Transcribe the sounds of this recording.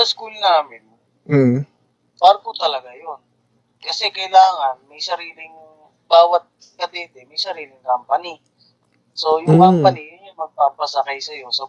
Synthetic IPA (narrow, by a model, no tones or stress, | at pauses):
ɐskulnaːmɪn̩ | paɾkot̪ɐlɐɡajon | kɐsɛkɐjlaːŋɐnmɐjsɐɾiːlɪŋ | b̥aːwɐt̪̚ | kɐd̪ɛːt̪ɛmɐjsɐɾiːlɪŋkampɐni | so̞jʊŋkammpɐnijʊɲɐmɐɡ̚paːpɐsɐkajsɐjo̞sɐ